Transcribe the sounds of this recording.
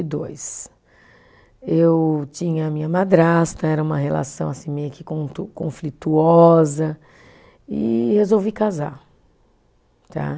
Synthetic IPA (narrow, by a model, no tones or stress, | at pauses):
ɪd̪o̰js | ewt͡ʃĩɲɐːmĩɲɐmad̪ɾast̪ɐɛɾɐũmɐɦela̰sɐ̃w̃asĩmejʊkɪ̥kõt̪ukõ̰flit̪uɔzɐ | ɪ̰hezowvikaza̰ɾ | t̪ʰa̰